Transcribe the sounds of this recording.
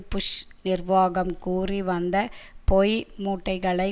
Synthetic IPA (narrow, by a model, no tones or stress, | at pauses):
pːʊʂnɪrʋaːɣɐmkuːriʋɐnd̪ɐpɔjmuːʈːɐɪɣɐɭɐɪ